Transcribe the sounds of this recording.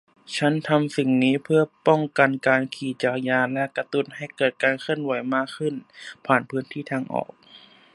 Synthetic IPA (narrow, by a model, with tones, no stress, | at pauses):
t͡ɕʰa˦˥nt̪ʰa˧msi˨˩ŋniː˦˥pʰɯ˥˩ɐpɔ˥˩ŋka˧nkaː˧nkʰiː˨˩t͡ɕaː˨˩kjaː˧lɛ˦˧˥ka˧t̪u˧˩n̚ha˧˩jkɤː˨˩t̪̚kaː˧nkʰɯ˥˩ənwa˩˦jmaː˥˩kʰːɯ˧˥˩npʰaː˨˩npʰɯː˦˥nt̪ʰiː˥˩t̪ʰaː˧ŋʔɔ̰ː˨˩k̚